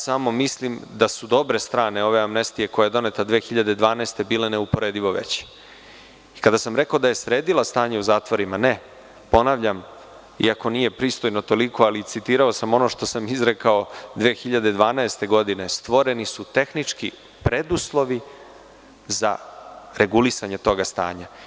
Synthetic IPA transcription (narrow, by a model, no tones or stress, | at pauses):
samo̞mislimd̪asud̪o̞bɾe̞st̪ɾaːneo̞ʋe̞amnest̪ije̞ko̞jajed̪o̞ne̞t̪ad̪ʋeːxiʎad̪e̞d̪ʋaːnaest̪e̞biːlaneupo̞ɾeːd̪iʋo̞ʋḛt͡ɕ | ikad̪asamɾe̞kaod̪aje̞sɾeːd̪ilˠast̪aːɲeuzaːt̪ʋo̞ɾimane̞ | po̞naʋʎam | ḭako̞nije̞pɾiːst̪o̞jno̞t̪o̞likʰo̞alisit̪iːɾao̞samo̞no̞ʃt̪o̞samizɾekao̞d̪ʋeːxiʎad̪ed̪ʋaːnaest̪e̞ɡo̞d̪ine̞st̪ʋo̞ɾe̞nisut̪e̞xnit͡ʂki | pɾe̞d̪uslˠo̞ʋi | za̰ɾe̞ɡulisaɲet̪o̞ɡast̪a̰ːɲa